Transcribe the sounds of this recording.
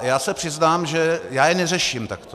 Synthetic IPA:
jaːsɛpr̥ɪznaːmʒɛjaːjɛnɛrɛʃimt̪akt̪o

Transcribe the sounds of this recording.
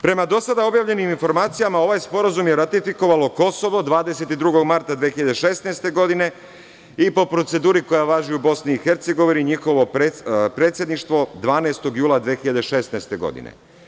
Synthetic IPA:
pɾe̞mad̪o̞sad̪ao̞bjaːʋʎe̞niminfo̞ɾmaːt̪sijamao̞ʋajspo̞ɾazumjeɾat̪ifiko̞ʋalo̞ko̞so̞ʋo̞d̪ʋaːd̪ese̞t̪id̪ɾuɡo̞ɡmaɾt̪ad̪ʋeːxiʎad̪eʃe̞sneːst̪e̞ɡo̞d̪ine̞ | ipo̞pɾo̞t̪se̞d̪uːɾiko̞jaʋaːʒiubo̞sniːxeɾt̪se̞ɡo̞ʋiniɲixo̞ʋo̞pepɾe̞t̪sjed̪niʃt̪ʋo̞d̪ʋaːneːst̪o̞ɡjuːlˠad̪ʋeːxiʎad̪eʃe̞sneːst̪e̞ɡo̞̰d̪ḭnḛ

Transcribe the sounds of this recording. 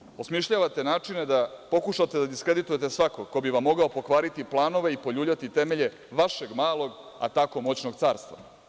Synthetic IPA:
osmiʃʎaːʋat̪e̞naːt͡ʂine̞d̪apo̞kuʃat̪e̞d̪ad̪iskɾe̞d̪it̪uje̞t̪esʋako̞kobiʋamːo̞ɡaopo̞kʋaːɾit̪iplˠaːno̞ʋe̞ipo̞ʎuːbʎat̪it̪e̞meʎe | ʋaʃe̞ɡmaːlˠo̞ɡ | a̰t̪ako̞mo̞t͡ɕno̞ɡt̪saːɾst̪ʋa̰

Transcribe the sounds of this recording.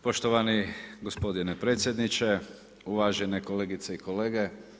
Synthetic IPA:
po̞ʃt̪oʋaniɡospo̞d̪inepɾe̞ːt̪sje̞d̪nit͡ʃe | uʋaʒenekoleɡit̪seiko̞le̞ːɡe

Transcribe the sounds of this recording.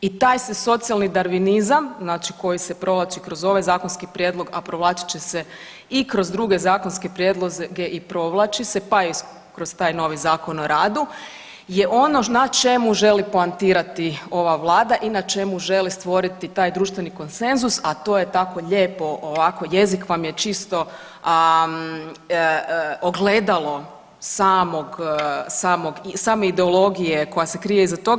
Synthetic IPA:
it̪aːjseso̞t̪sialˠnid̪aɾʋinizamznaːt͡ʃiko̞jisepɾo̞ʋlˠat͡ʃikɾo̞zo̞ʋajzaːkonskipɾjed̪lˠo̞ɡapɾoʋlˠaːt͡ʃi̥t͡ɕese | ikɾo̞zd̪ɾuɡe̞zaːko̞nskepɾjeːd̪lˠozɡe̞ʔipɾo̞ʋlˠat͡ʃise̞pai | kɾo̞st̪aːjno̞ʋizaːko̞noɾaːd̪u | je̞ʔo̞no̞nat͡ʃe̞muʒe̞liplant̪iːɾat̪io̞ʋaʋlˠaːd̪aʔinat͡ʃe̞muʒe̞list̪ʋo̞ɾit̪it̪aːjd̪ɾuːʃt̪ʋe̞niko̞nse̞nzusat̪o̞ːjet̪ako̞ʎe̞ːpo̞ʔoʋako̞je̞zikʋamjet͡ʃist̪o̞ | oɡle̞ːd̪alˠo̞ | saːmo̞ɡsaːmo̞ɡsaːmeid̪eolˠo̞ɡije̞ko̞jase̞kɾijeizat̪o̞ɡ

